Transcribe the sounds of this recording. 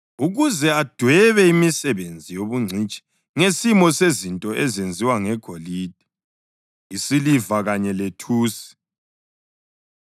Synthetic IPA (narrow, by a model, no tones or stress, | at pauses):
uɣuzɛad̥ʱwɛβɛimisɛβend͡zʱijoβuŋ͡ǀʱit͡ʃʼi̥ | ŋesimɔsezintʼɔʔɛzend͡zʱiwaŋɛɡ̥ʱoliːd̥ʱi̥ | isilivaɣaɲɛletʰuːsi̥